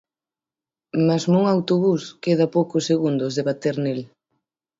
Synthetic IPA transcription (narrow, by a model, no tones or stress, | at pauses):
mazmoŋawt̪oβuskeð̞ɐpowkʊseɣund̪ʊzðeβat̪eɾnel